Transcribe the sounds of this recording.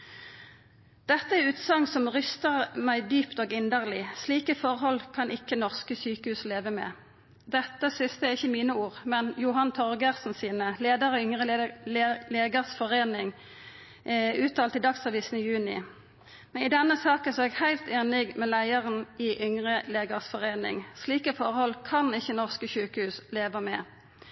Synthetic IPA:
d̪̥ɛt̪ːəæʁʉːt̪sɑŋsɔmʁʏst̪əʁmæɪd̪yːpt̪oːɡɪnd̪əʁlɪsliːkəfɔʁhɔlkʰɑnʔɪkːənɔʁskəsyːkəhʉːsleːʋəmɛ̰ː | d̪ɛt̪ːəsʏnsd̪ɛæʁɪçːəmiːnəuːʁmɛnjʊɦɑnt̪ʰɔʁɡəʁsn̩siːnəleːd̪əʁɔʏŋʁəlleːɡəʁsfɔʁeːnɪŋ | ʉːt̪ʰɑːlt̪iɪd̪ɑksɑʋiːsn̩ɪjʉːnɪ̰ | mɛnɪd̪ɛnːəsɑːkənsɔɛɡhæɪlt̪eːnɪɡmɛlæɪəʁənɪʔʏŋʁəleːɡəʁsfɔʁeːnɪ̰ŋsliːkəfɔʁhɔlkʰɑnɪçːənɔʁskəsyːkəhʉːsleːʋəmɛ̰

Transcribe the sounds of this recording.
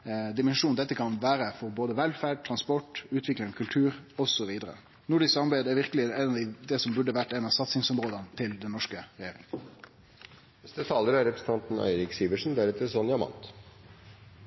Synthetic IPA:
d̪ɪmɛnʂuːnd̪ɛt̪ːəkʰɑnʋæːɾəfɔɾboːd̪əʋɛlfæːɖ̚t̪ʰɾɑnspɔʈːʉːt̪ʰʋɪklɪŋɔkʰʉlt̪ʰʉːɾɔsɔʋiːd̪əɾə̰ | nuːɖɪsɑmɑbæɪd̪æɾʋɪɾkəlɪɛɪnɑd̪ɛsɔmbʉɖəʋæʈːɛnɑsɑt̪sɪŋsɔmɾoːd̪ənt̪ʰɪld̪ɛnːɔʂkəɾɛjeːɾɪ̰ŋ | nɛst̪ət̪ʰɑːləɾɑɾɛpɾəsn̩t̪ʰɑnt̪n̩æ̰ɪɾɪksiːʋəʂn̩d̪æɾɛt̪əɾsɔnjɑmɑ̰nt̪

